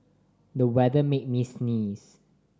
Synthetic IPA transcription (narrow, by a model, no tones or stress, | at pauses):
dəwɛdəmet̚misnis